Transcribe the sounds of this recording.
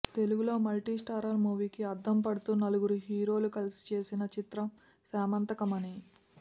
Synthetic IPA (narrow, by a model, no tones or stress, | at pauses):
t̪e̞luɡulo̞ːmɐlʈiːsʈaːɾɐɾmuːʋiːkiɐd̪ʱːɐmpɐɽut̪uːnɐluɡuɾuɦiːɾo̞ːlukɐlsi̥t͡ʃe̞ːsinɐt͡ʃit̪ɾɐm | saːmɐnt̪ɐkɐmɐni